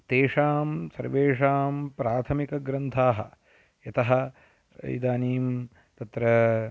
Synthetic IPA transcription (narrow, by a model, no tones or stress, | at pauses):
t̪eːʂaːmsɐɾʋeːʂaːmpɾaːt̪ʰɐmikɐɡɾɐnt̪ʰaːɦɐ̰ | jɐt̪ɐɦɐ̰̆ | ḭd̪aːniːm | t̪ɐt̪ɾɐ